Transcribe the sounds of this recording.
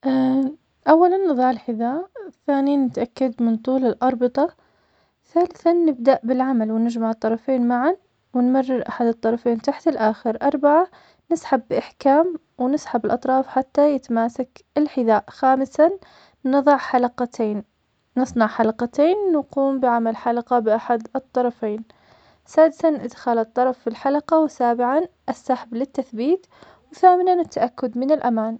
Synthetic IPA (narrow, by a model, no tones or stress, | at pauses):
ʔa | ʔawːalanːɨðˤɑʕɪlħɪðaːʔθaːnijanːɪt̪ʔakːad̪mɪnt̪ˤuːlɪlʔɑɾˤbɨt̪ˤɑ | θaːlɪθanːɪb̚d̪aʔbɪlʕamalwɪnɪd͡ʒmaʕɨt̪ˤːɑɾˤɑfeːnmaʕan | wɪnmarːɪɾʔaħad̪ɨt̪ˤːɑɾˤɑfeːnt̪aħt̪ɪlʔaːxɪɾʔɑɾˤbaʕa | nɪsħabːɪʔaħkaːm | wnɪsħabɪlʔɑt̪ˤɾˤɑːfħat̪ːajɪt̪maːsakɪlħɪðaːʔxaːmɪsaː | ɨðˤɑʕħalaqɑt̪eːnː | ɨsˤnɑʕħalaqɑt̪eːnːaquːmbɪʕamalħalaqɑbɪʔaħad̪ɨt̪ˤːɑɾˤɑfeːn | saːd̪ɪsanʔɪd̪xaːlɨt̪ˤːɑɾˤɑfːilħalaqɑwsaːbɪʕanʔasːaħablɪt̪ːaθbiːt̪ | wθaːmɪnanɪt̪ʰːaʔakːʊd̪mɪnɪlʔamaːn